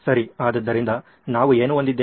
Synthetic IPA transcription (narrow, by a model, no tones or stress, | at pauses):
sɐɾiaːd̪ɐd̪ːɐɾind̪ɐ | naːʋueːnuond̪id̪ːeː